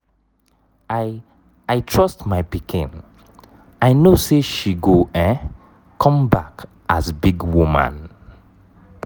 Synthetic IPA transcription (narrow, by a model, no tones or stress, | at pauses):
a | aɪtʰɹɔstmaɪpikʰḭ̃n | aɪnoseʃiɡoɛ̃ | kʰɔ̃mbak | asbiɡwumã̰n